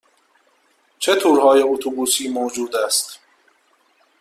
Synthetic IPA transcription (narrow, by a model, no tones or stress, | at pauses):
t͡ʃʰe̞t̪ʰuːɾhɒːje̞ut̪ʰubuːsiːmoːd͡ʒuːd̪æst̪